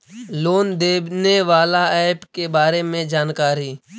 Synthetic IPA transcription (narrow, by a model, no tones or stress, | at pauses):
loːnd̪eːbneʋaːlaɛːpkebaːɾemẽd͡ʒaːnkaːɾiː